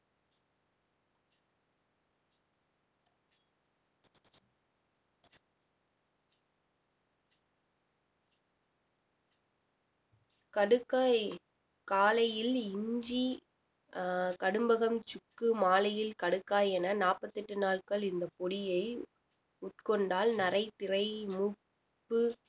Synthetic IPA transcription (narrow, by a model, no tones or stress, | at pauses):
kɐɽɯkːaːj | kaːlɐjɪlɪɲd͡ʒi | kɐɽɯmbɐɣɐmt͡ʃʊkːɯmaːlɐjɪlkɐɽɯkːaːjɛnɐnaːpɐt̪ːɪʈːɯnaːɭkɐɭɪnd̪ɐpɔɽɪjɐɪ | ʊʈ̚kɔɳɖaːlnɐrɐɪt̪ɪrɐɪmʊ | pːɯ